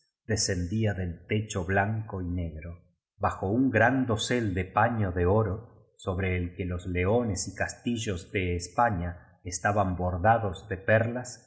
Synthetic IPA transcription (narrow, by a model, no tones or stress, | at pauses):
d̪ese̞nd̪iaðe̞lt̪e̞t͡ʃo̞βlaŋko̞ine̞ɣɾo̞ | βaxo̞uŋɡɾand̪o̞se̞ld̪epaɲo̞ðe̞o̞ɾo | so̞βɾe̞ːlkelo̞zle̞o̞ne̞sikast̪iʒo̞zðe̞ːspaɲa | est̪aβambo̞ɾðaðo̞zðe̞peɾlas